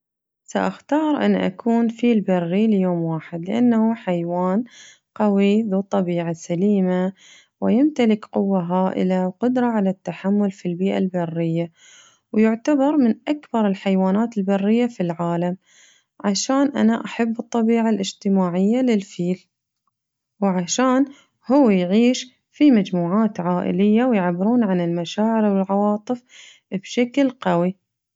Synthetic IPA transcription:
sa̰ʔaxt̪ɑːɾˤʔɪ̰nːʔa̰kʰuːnfiːlbarːiljoːmwaːħɪd̪lɪʔa̰nːahuħajwaːn | qɑwiðut̪ˤːɑbiːʕasaliːma | wɪjɪmt̪alɪkqʊwːaɦaːʔɪ̰lawqʊd̪ɾˤɑʕalat̪ːaħamːʊlfilbiːʔa̰lbɪrːɪjːa | wjʊʕt̪abɑɾˤmɪnʔakbɑɾˤɪlħajwaːnaːt̪ɪlbarːɪjːafilʕaːlam | ʕaʃaːnʔanaʔaħabːɨt̪ˤːɑbiːʕalʔɪd͡ʒt̪ɪmaːʕɪjːalɪlfiːl | wʕaʃaːn | hʊwːjʕiːʃ | fimad͡ʒmuːʕaːt̪ʕaːʔɪ̰lɪjːawjɪʕabːɪɾuːnʕanɪlmaʃaːʕɪɾwɪlʕɑwɑːt̪ˤɨf | b̥ʃaklqawi

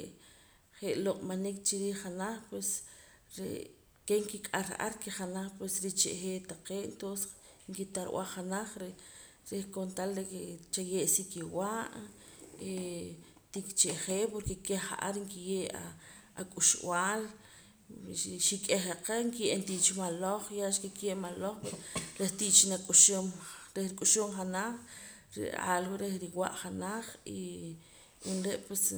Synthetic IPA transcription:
χeʔloqʼmanik̚t͡ʃiɾiːχanaχpwes | ɾḛ | keŋkikʼaɾa̰ʔa̰ɾkeχanaχpwesɾit͡ʃḛʔχeːt̪aqeːʔent̪onse̥ | ŋkit̪aɾw̰ʔa̰χanaχɾe | ɾehkont̪alɾeket͡ʃajeʔsikiwaʔ | e | t̪ikt͡ʃeʔχeːpoɾkekehχa̰ʔaɾŋkijeːʔa | akʼuʃw̰aːl | ʃikʼeχeqeŋkijent̪iʔt͡ʃimaloχjaʃkekjeʔmaloχpeɾoɾeht̪iʔt͡ʃinakʼuʃomɾehɾikʼuʃomχanaχ | ɾḭa̰ːlwuʔɾehɾiwa̰ʔχanaχi | inɾeʔpwes

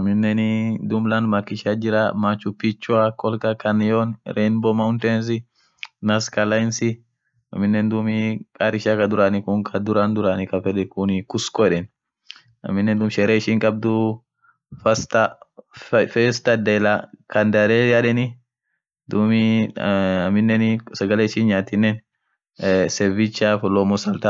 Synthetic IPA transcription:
ɐmɪnːɛnɪd̪ʊmlanmɐkːɪʃad͡ʒɪɾamat͡ʃʊpːit͡ʃːʊakʼɔlkɐkʰɐnɪjonɾʔɛnbɔmɐʊnt̪eːns̬ɪ | nɐskɐlaɪnsɪ | ɐ̰mːɪnːɛnd̪ʊmikʼaɾɪʃakɐd̪ʊɾanɪkʊŋkʰɐd̪ʊɾand̪ʊɾanɪkɐfɛd̪ɛkʊnkʊskɔᶑɛn | ɐ̰mːɪnːɛnd̪ʊmʃɛɾeːʃiːŋkʼɐb̚d̪ʊ | fɐst̪ɐ | fɛst̪ɐd̪ɛlakɐnd̪ɐɾɛjaᶑɛnɪ | d̪ʊmɪ | ɐmɪnːɛnsɐɡɐleɪʃinɲaːt̪ɪnːɛn | sɛvit͡ʃːafɔlɔːmɔsɐlt̪a

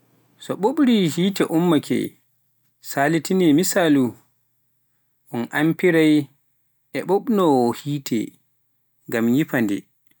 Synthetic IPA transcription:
sɔɓoɓɾihiːtɛʔumːakʰɛ̰ | salitʰinɛmisalu | ʔɔnʔampiɾaj | ʔɛɓoɓnɔwɔhiːtʰɛ̰ | ŋɡamjipandɛ̰

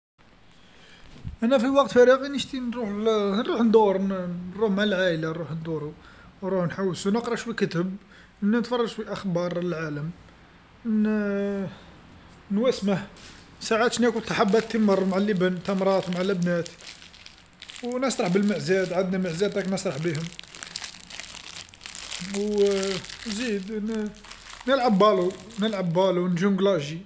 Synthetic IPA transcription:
ʔænæfiwɑq̚t̪fæɾəɣinəʃt̪inɾuħnɾˤuħnd̪uɾˤɾuħmalʕalanɾuħnd̪uɾu | nɾuħnħawːsunəqɾˤɑʃwikət̪əb | ənːænət̪fɑrˤːɑʒʃwiʔɑxbɑɾˤəlʕaləm | n | nwæsməh | saʕat̪ʃnækut̪ɑħabːæt̪ːimərˤmaʕalːəbənt̪ɑmɾˤɑt̪wmaʕalːəbnæt̪ | wnəsˤɾˤɑħbəlməʕzæd̪ʕad̪næməʕzæd̪æknəsˤɾˤɑħbihʊm | w | zid̪n | nəlʕabːɑlunəlʕabːɑlunʒumɡlɑʒi

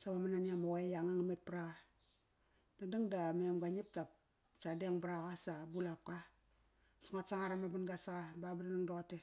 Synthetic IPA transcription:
sabamananiamawajaŋaŋamet̚pɾaa | dadiŋdamemɡaɲip̚tap̚ | sadeŋbɾaɣasabulap̚ka | suŋatsaŋaɾamabunɡasaɣababadanaŋdoate

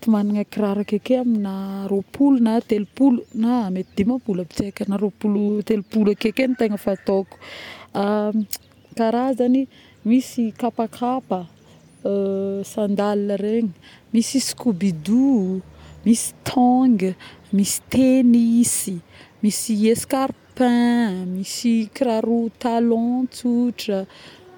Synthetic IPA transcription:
t̪umaniŋakiɾaɾakekeaminaɾopʰulunat̪elupulunamet̪id̪emapuləbi̥t͡sekənaɾopulut̪elupulakekenit̪eŋəfat̪oku̥a | kaɾazani | misikapakʰapə | sãnd̪alnəɾeɲi | misisi̥kubid̪u | misi̥t̪ʰɔŋɡəmisi̥t̪enisimisieskaɾpɛ̃misikiɾaɾut̪alɔ̃t͡suʈ͡ʂə

